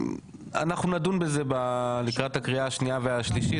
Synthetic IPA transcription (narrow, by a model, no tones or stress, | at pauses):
a̰naχnunadunbe̞ze̞balikʁathakʁiaːʃniaveaʃliʃi